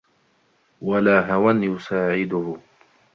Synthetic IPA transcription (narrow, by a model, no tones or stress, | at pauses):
walaːɦawanjʊsaːʕɪd̪ʊhʊ